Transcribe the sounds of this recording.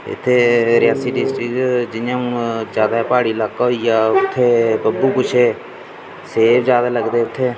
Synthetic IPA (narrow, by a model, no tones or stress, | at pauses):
ɪ̰t̪ʰːeːɾɪjaːsiːɖɪsʈɾɪkd͡ʒɪnjãːũːd͡ʒjaːd̪aːpaːɽiːlaːkːɦoijaːʊt̪ʰːeːpəbuːkʊt͡ʃʰeː | seːpʰd͡ʒjaːd̪aːləɡd̪eːʊt̪ʰːeː